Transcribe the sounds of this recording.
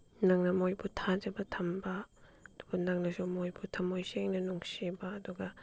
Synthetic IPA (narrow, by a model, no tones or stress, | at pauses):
naŋnɐmojbutʰad͡ʒɐbɐtʰɐmbɐd̥uɡɐnaŋnɐsumojbutʰɐmojseŋnɐnuŋsibɐːduɡɐ